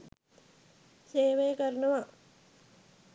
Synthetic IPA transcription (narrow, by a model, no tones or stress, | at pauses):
seːʋejkɐɾnɐʋa